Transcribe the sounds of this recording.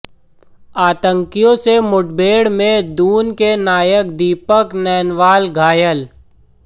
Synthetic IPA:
aːt̪ə̃ŋkijõsemʊʈbeːɽmẽd̪uːnkenaːjək̚d̪iːpəknɛːnʋaːlɡʱaːjəl

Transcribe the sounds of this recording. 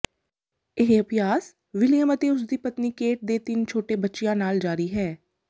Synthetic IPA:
eɦeəpjaːs | ʋɪlɪjəmət̪eʊs̬d̪iːpət̪nikeːʈ̚d̪eːt̪ɪnt͡ʃʰoːʈebətːʃijãːnaːld͡ʒaːɾiɦɛː

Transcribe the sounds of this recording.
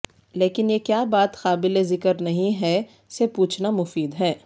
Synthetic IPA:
leːkɪnjekjaːbaːt̪xaːbɪlezɪkəɾnɐɦĩɦɛ | sepuːt͡ʃʰnamʊfiːd̪ɦɛː

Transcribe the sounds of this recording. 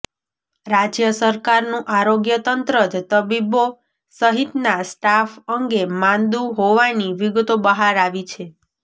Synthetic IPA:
ɾad͡ʒjəsəɾkaɾnũʔaɾoɡjət̪ənt̪ɾəd͡ʒt̪əbibo | səɦit̪nasʈafəŋɡemãnd̪uɦoʋaniʋiɡt̪obəɦaɾaʋit͡ʃʰe

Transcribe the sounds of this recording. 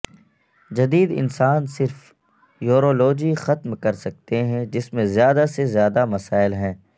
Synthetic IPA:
d͡ʒɐd̪iːd̪ɪ̰nsaːnsɪɾf | joːɾoːloːd͡ʒixɐt̪mkɐɾsɐk̚t̪eɦɛ̃d͡ʒɪsmẽzjaːd̪asezjaːd̪amɐsaːɪlɦɛ̃ː

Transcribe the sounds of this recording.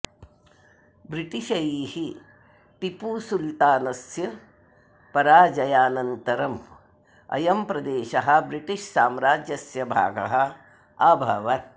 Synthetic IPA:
bɾiʈiʃɐjiːhi | t̪ipuːsult̪aːnɐsjɐ | pɐɾaːd͡ʒɐjaːnɐnt̪ɐɾɐm | ɐ̰jɐmpɾɐd̪eːʃɐɦɐ̆bɾiʈiʃsaːmɾaːd͡ʒjɐsjɐbʱa̰ːɡɐ̰ɦɐ̆ | aːbʱɐ̰ʋɐt̪

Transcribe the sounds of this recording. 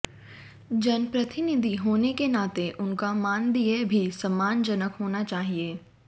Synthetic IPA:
d͡ʒɐnpɾɐt̪ɪnɪd̪ʱiɦoːnekenaːt̪eʔʊnkamaːnd̪iːebʱisɐmːaːnd͡ʒɐnəkɦoːnat͡ʃaːɦieː

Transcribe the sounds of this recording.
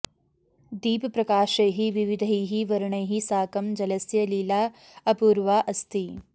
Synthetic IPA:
d̪iːppɾɐkaːʃɐjɦiʋiʋid̪ʱəjɦiʋɐɾɳɐjɦisaːkɐmd͡ʒɐlɐsjɐliːlaː | ɐpuːɾʋaːʔɐst̪ʰi

